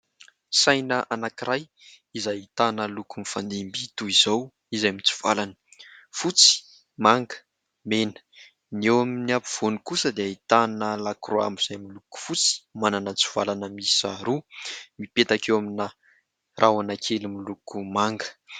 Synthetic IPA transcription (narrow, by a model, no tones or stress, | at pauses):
sajnəʔanakiɾaj | izajit̪anəlukumifand̪imbit̪uizow | izajmit͡su̥v̥alanə̥fut͡si̥ | maŋɡə̥ | menə̥ | newaminiapi̥v̥onikusəd̪eait̪anəlakroa̰miz̥ajmiluku̥fut͡si̥mananət͡su̥v̥alanəmia̰ɾumipet̪akewamina | rʔawanakʰelimilukumaŋɡə̥